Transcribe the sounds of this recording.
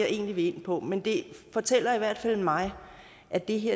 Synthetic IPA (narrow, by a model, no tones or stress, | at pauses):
ɑʔe̝̰ːnliʋe̝e̝n̰pʰɒ̽mend̥e̝fɒ̽t͡sʰel̰ɐiʋæɐ̰d̥fæl̰mɑ̈ɪ | ʔæd̥e̝ɦeɐ̰